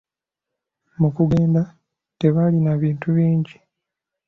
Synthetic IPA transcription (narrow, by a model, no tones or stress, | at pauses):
mukuɡe̞ːnda | te̞βalinaβiːntuβiːɲɟi